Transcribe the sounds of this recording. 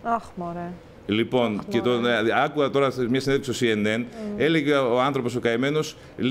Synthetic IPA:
oxmoɾeɐ | lipo̞nce̞t̪oɐkuɐt̪o̞ɾɐmɲɐsineðeksio̞siene̞ne̞le̞ʝeoɐnθɾo̞po̞so̞kɐeme̞no̞s | l

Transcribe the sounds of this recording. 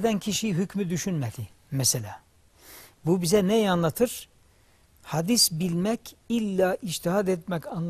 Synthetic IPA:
d̪æncʰiʃiɦycmyd̪yʃynmɛd̪i | mɛselʲaː | bubizɛnɛjanlˠat̪ʰɯɾ̥ | had̪isbilʲmɛcilʲːaːʔiʃt̪ʰiɦad̪ɛt̪̚mɛcanlˠ

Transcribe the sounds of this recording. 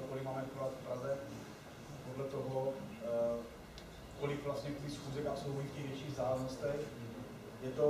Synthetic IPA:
okolɪmaːmɛvikovat̪fpɾazɛ | podlɛt̪oɦo | kolɪkvlast̪ɲɛkulisxuːzɛkasowɦojifcɛɣvjɛt͡ʃiːɣzaːlɛmnost̪ɛx | jɛt̪o

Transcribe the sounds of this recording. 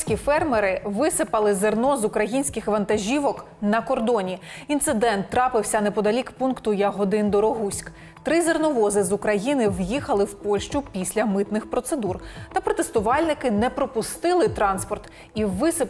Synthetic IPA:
sʲkʲifɛrmeɾɪʋɪsɪpɐlˠɪzernɔzʊkɾɐjinʲsʲkɪxʋɐnt̪ɐʒʲiʋɔk | nɐkɔrd̪ɔnʲiint̪sɪd̪ɛnt̪ːɾɑpɪwsʲɐnɛpɔd̪ɐlʲikpunkt̪ʊjɐɦɔd̪ɪnd̪ɔɾɔɦusʲk | t̪ɾɪzernɔʋɔzɪzukɾɐjinɪwjixɐlˠɪwpɔlʲʃt͡ʃʊpʲisʲlʲɐmɪt̪nɪxpɾɔt̪sed̪urt̪ɐpɾɔt̪est̪ʊʋɑlʲnɪkɪnɛpɾɔpʊst̪ɪlˠɪt̪ɾɑnspɔrt̪ | iʋɪsɪ

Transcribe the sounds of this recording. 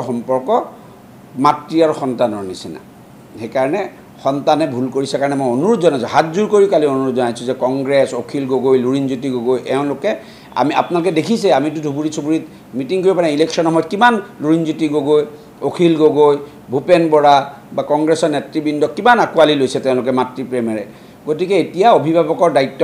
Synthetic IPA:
xɔmpɔɹkɔ | matɹiaɹuxɔntanɔɹnisina̰ | xejkaɹɔnɛ | xɔntanɛbʱulkoɹisɛkaɹɔnɛmojonuɹʊtzɔnajsɔ̃ɦatzuɹkoɹikalionuɹutzɔnajsʊ̃zɛkɔŋɡɹɛsokʰilɡoɡojluɹinzut̬iɡoɡojʔɛʊ̃lʊkɛ | a̰mia̰pnalokɛdekʰisɛamitudʱubuɹisubuɹit | mitiŋkoɹipanailɛksɔnɔmɔjt̚kimanluɹinzutiɡoɡoj | okʰilɡoɡoj | bʱupɛnbɔɹa | bakɔŋɡɹɛsɔɹnetɹibindɔkːimanakualilojsɛtɛʊ̃lʊkɛmatɹipɹɛmɛɹɛ | ɡotikɛetijaobʱibʱabɔkɔɹdaitːɔ

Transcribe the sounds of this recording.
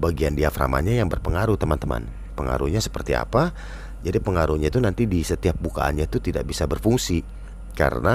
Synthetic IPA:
baɡiandiafɾa̰ma̰ɲajaŋbərpəŋaɾut̪əmant̪əma̰n | pəŋa̰ɾuɲasə̥pərt̪ia̰pa | d͡ʒadipəŋaɾuɲat̪unant̪idisət̪iap̚buka̰a̰nɲat̪ut̪ida̰ʔ̚bisabərfuŋsi | ka̰ɾə̰na

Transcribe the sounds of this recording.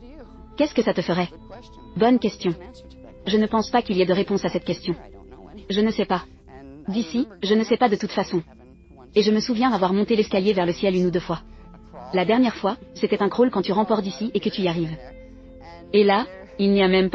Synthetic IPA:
kʲɛskəsat̪əfəʁɛ | bɔnkʲɛst̪jɔ̃ | ʒənəpɑ̃spakʲiliɛd̪əʁepɔ̃sasɛt̪kʲɛst̪jɔ̃ | ʒənəsɛpa | d̪isiʒənəsɛpad̪ət̪ut̪fasɔ̃ | eʒəməsuvjɛ̃d̪avwaʁmɔ̃t̪elɛskʲaljevɛʁləsjɛlynud̪øfwa | lad̪ɛʁnjɛʁfwaset̪ɛt̪ɛ̃kʁolkɑ̃t̪yʁɑ̃pɔʁd̪isiʔekət̪yiaʁiv | ela | ilniamɛmp

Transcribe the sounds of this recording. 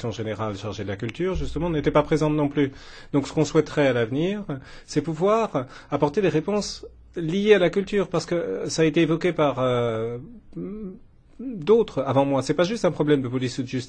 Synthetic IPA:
sjɔ̃ʒeneʁalʃaʁʒed̪əlakʲylt̪yːʁʒyst̪əmɑ̃net̪ɛpapχezɑ̃t̪nɔ̃plyd̪̥ɔ̃ksə̥kɔ̃swɛt̪χɛalavniːʁsɛpuvwaʁapɔʁt̪ed̪eʁepɔ̃s | lijealakʲylt̪yːʁpaʁsə̥kəsaːet̪eːvɔkʲepaʁø | d̪ot̪χavɑ̃mwasɛpaʒyst̪ɛ̃pχɔblɛmd̪əpɔlisud̪ʒyst̪

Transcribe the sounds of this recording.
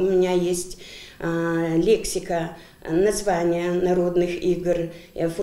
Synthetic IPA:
umʲinʲajesʲtʲ | lʲeksʲikɐ | nɐzvanʲɪjənɐɾo̞d̪nɨxiɡrf

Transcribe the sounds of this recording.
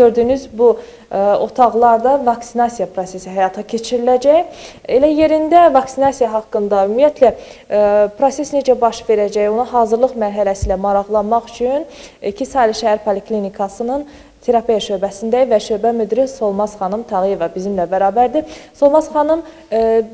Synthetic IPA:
øɾd̪ynyzbu | o̞t̪ʰɑʁlˠɑɾd̪ɑvɑksinɑsijɑpʰɾose̞siɦæjɑt̪ʰɑcʰe̞t͡ʃʰiɾilæd͡ʒæje̞læje̞ɾind̪ævɑksinɑsijɑɦɑkːɯnd̪ɑymijæt̪ʰlæ | pɾo̞se̞sne̞d͡ʒæbɑʃve̞ɾæd͡ʒæjonɑɦɑːzɯɾlˠɯχmæɾɦælæsiːlæmɑɾɑɣlˠɑnmɑχy̥t͡ʃʰynicʰisɑliʃæhæɾpʰoliklinikʰɑsɯnɯn | t̪ʰeɾɑpʰijæʃøɾbæsind̪ævæʃøːbæmyd̪ɾiso̞lˠmɑzχɑnɯmt̪ʰɑʁije̞vɑbizimlæbæɾɑːbæɾd̪iso̞lˠmɑzχɑnɯm

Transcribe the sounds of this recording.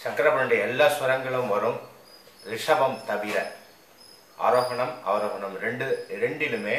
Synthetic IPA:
t͡ʃɐkːɾɐmɐnɯɽɐjɐɛlːaːsʋɐɾɐŋɡɐɭɯmʋɐɾɯm | ɾɪʂɐʋɐmt̪ɐʋɪɾɐ | ʔa̰ːɾoːɣɐɳɐma̰ːɾoːɣɐnɐmɾɛɳɖɯɾɛɳɖɪlɯmeː

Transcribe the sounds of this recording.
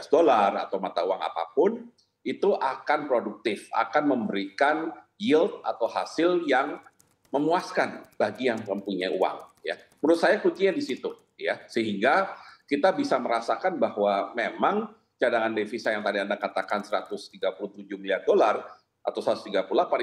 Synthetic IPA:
sdolara̰t̪awmat̪auaŋa̰pa̰pʊn | it̪uʔakanpɾoduk̚t̪ɪfa̰kanməmbəɾikanjɪlt̪̚at̪awɦa̰sɪljaŋ | məmuaskanb̥aɡijaŋməmpuɲajṵwa̰ŋja̰ | məɾʊt̪sajakut͡ʃiɲadisit̪u | jasəɦiŋɡakit̪abisaməɾasakanbahwamemaŋ | t͡ʃadaŋandefisajaŋt̪adiandakat̪akansəɾat̪ʊst̪iɡapulut̪ud͡ʒuhmiliardolar | ʔa̰t̪aʊwsəɾat̪u̥st̪iɡapuulapa

